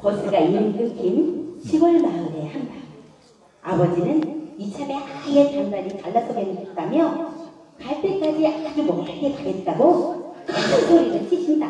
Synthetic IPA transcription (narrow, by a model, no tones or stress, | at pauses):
kʌsʰɯɡainɯnt͈ɯk͈imɕʰiɡwʌɭmaɯne̞handa | abʌd͡ʑinɯnit͡ɕʰabe̞ʔajetannaɾitaɭːasʰoɡenɯet̚t͈amjʌ | kaɭp͈ek͈ad͡ʑiad͡ʑimʌaɡekaɡe̞t̚t͈aɡokasʰesʰoɾinɯnt͡ɕʰikʰimɲida